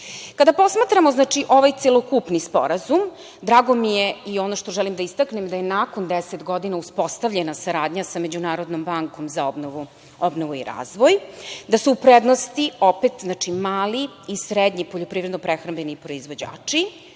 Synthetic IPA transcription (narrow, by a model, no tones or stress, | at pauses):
kad̪apo̞smat̪ɾamo̞znaːt͡ʂiʔo̞ʋajt̪selˠokupnispo̰ɾazum | d̪ɾaːɡo̞mijeio̞noʃt̪o̞ʒɛlimd̪aist̪aknemd̪ajenaːkond̪eset̪ɡo̞d̪inauspo̞st̪avʎenasaɾaːd̪ɲasame̞d͡ʑunaːɾo̞d̪nombaŋkomzaobnou | obnoʋuḭɾa̰ːzʋojd̪asuːpɾed̪nost̪iopet̪znat͡ʂimaːliisɾed̪ɲipoʎo̞pɾivɾed̪nopɾexɾambʎenipɾo̞izʋo̞d͡ʑa̰ːt͡ʂi